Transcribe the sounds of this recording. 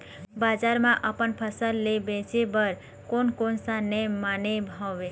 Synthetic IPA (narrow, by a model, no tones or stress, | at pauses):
bad͡ʒaɾmãʔəpənpʰəsəlːebet͡ʃebəɾ | konkonsanemanebʱaʋe